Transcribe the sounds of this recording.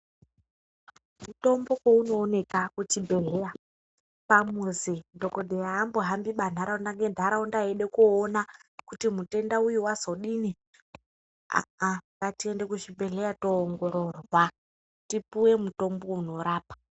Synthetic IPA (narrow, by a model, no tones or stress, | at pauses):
muto̞mbo̞kwouno̞ːne̞kakut͡ʃibʱe̞ɮeja | pamuzindokodʱejaːmboɦambiɓan̤aɾaundaŋɡendʱaɾaundaeɗe̞kuːnakutimute̞ndaujiwazoɗini | a̰akatiende̞kut͡ʃibʱe̞ɮe̞jatoːŋɡo̞ɾo̞rwa | tipuwe̞muto̞mbo̞uno̞ɾaːpḁ